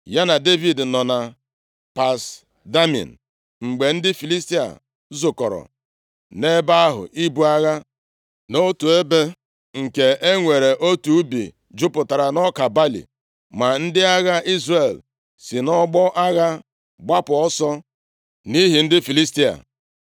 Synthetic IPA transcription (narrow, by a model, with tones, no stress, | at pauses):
ja˦na˨de˦vi˨dnɔ˨na˨ | pa˨s | da˦mɔ̰˨n̩˨ | ŋ͡m̩˨ɡ͡be˨n̩˦dɪ˦fi˨li˦sti˦a̰˨ | zʊ˨kɔ˨ɾɔ̰˨ | ne˦ba˦a˦ɦʊ̰˨ʔi˦bu˦a˦ɣa˦ | no˦tu˨e˦be˦ | ŋ̩˨ke˨e˦ŋʷe˨ɾe˨ʔo˦tu˨˦bḭ˨ | d͡ʒʊ˦pʊ˨ta˨ɾa˨nɔ˦ka˨ba˦lḭ˨ | ma˨n̩˦dɪ˦a˦ɣa˦ʔi˦zre˨l | si˨nɔ˦ɡ͡bɔ˦ʔa˦ɣa˦ | ɡ͡ba˦pʊ˨ɔ˦sɔ˦ | ni˦ɦi˨n̩˦dɪ˦fi˨li˦sti˦a̰˨